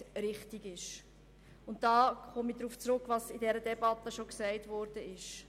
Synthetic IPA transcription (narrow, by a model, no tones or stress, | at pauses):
ɾɪχtiɡɪʃ | ʊntdɑːχɔmid̪ɾuːft͡sɾʊkʋɑsid̥ɛɾədɛbɑt̪ːəʃoksɛɪtʋɔːɾd̥əɪʃ